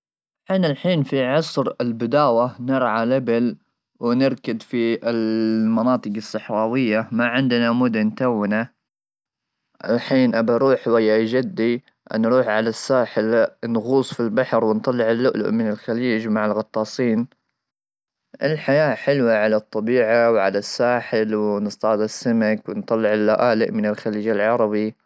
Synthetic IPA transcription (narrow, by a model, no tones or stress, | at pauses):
ħiːnalħiːnfiʕɑsˤɾɪlbɪd̪aːwanɪɾˤʕalʔabɪl | wɪnɪɾkad̪fiɪlmʊnɑːt̪ˤɨqɨsˤːɨħɾˤɑːwɪjːamaʕɪnd̪namʊd̪ant̪awːɪna | ʔɪ̰lħiːnʔabaɾˤuːħwajːad͡ʒad̪ːi | ʔanɾuːħʕalasːaːħɪlnɣuːsˤfilbaħɾwɪnt̪ˤɑlːɪʕɪlːʊʔlʊ̰ʔmɪnɪlxaliːd͡ʒmaʕɪlɣɑt̪ˤːɑːsˤiːn | ʔɪlħajaːħɪlwaʕalat̪ˤːɑbiːʕawʕa̰lasːaːħɪlwnɨst̪ˤɑːd̪asːamakwɪnt̪ˤɑlːɪʕɪlːaʔaːlɪʔmɪnɪlxaliːd͡ʒɪlʕɑɾˤɑbi